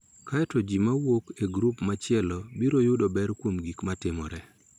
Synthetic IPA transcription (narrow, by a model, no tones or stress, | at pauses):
kaɛtɔd͡ʒimawokeɡɾupmat͡ʃɪɛlɔbiɾojʊdɔbɛɾkwomɡikmatɪmɔ̰ɾɛ